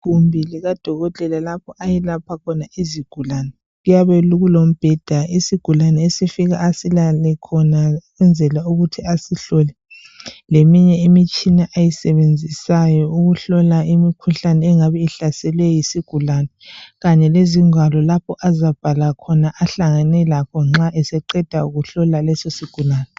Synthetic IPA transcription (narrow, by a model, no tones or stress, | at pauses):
ɣumbʱiliɣad̥ʱɔɣɔtʼɛlalapʰɔʔajilapʰakʰɔnaiziɡ̥ʱulanɛ | ɣujaβɛluɣulom̩b̥ʱɛd̥ʱaisiɡ̥ʱulanɛesifiɣa̰ːsilalɛkʰɔnaɣwɛnd͡zʱɛlauɣutʰiasiɬɔlɛ | lemiɲɛimit͡ʃʼinaʔajisɛβend͡zʱisajɔuɣuɬɔlaimikʰuɬanɛːŋaβɛiɬasɛlwɛjisiɡ̥ʱulanɛɣaɲɛleziŋwalɔlapʰɔʔazab̥ʱalakʰɔnaʔaɬaŋanɛlakʰɔŋ͡ǁaʔɛsɛǃɛd̥ʱauɣuɬɔlalɛsɔsiɡ̥ʱulaːnɛ